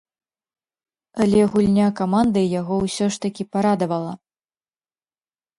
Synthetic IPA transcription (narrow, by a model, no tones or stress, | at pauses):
alʲɛɣulʲnʲakamand̪ɨjaɣɔwsʲɔʂt̪ɐkʲipaɾad̪ɐvɐlˠɐ